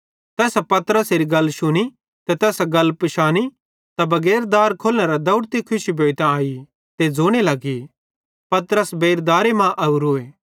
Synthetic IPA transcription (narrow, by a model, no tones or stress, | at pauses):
t̪ɛːsapɐt̪əɾəseːɾiɡɐlːʃʊñi | t̪ɛt̪ɛːsɡɐlːpʃaːni | t̪abɐɡɛːɾd̪aːɾkʰoːlɽ̃eɾad̪ɐʊɽt̪ikʰʊʃibeːt̪ãaːi | t̪ed͡zoːɽ̃elɐɡi | pɐt̪əɾəsbeːɾd̪aːɾemãʔɐuɾʊeː